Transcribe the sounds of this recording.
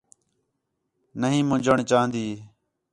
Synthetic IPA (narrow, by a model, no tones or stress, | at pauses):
nəɦĩːmʊ̃d͡ʒəɳt͡ʃaːɦə̃nd̪iː